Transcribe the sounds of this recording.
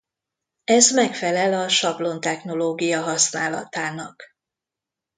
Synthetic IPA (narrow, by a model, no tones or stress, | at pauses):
ɛzmɛkfɛlɛlɒʃɒblo̞nt̪ɛxno̞loːɡijɒɦɒsnaːlɒ̰t̪aːnɒk